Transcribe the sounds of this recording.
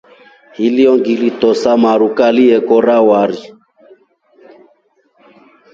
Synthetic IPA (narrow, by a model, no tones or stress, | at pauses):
hiliɔŋɡilitɔsamaɾukaliɛkɔɾawaɾi